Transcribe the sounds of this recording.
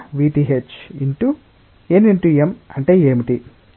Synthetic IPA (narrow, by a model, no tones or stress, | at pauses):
ʋiːʈiɦet͡ʃiɳʈu | eniɳʈuemɐɳʈeːeːmiʈi